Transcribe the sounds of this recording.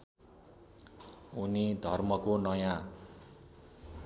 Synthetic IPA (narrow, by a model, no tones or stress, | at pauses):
unid̪ʱʌrmʌkonʌjã